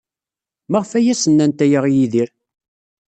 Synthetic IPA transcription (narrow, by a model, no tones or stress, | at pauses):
mæʁfæjæsənːænt̪æjəʁjiðiɾ